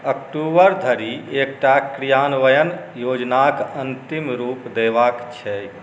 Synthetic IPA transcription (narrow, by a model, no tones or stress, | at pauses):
əkʈubəɾd̪ʱəɾiek̚ʈakɾijaːnʋəjənjoːd͡ʒnakənt̪imɾuːpd̪eʋakt͡ʃʰɛ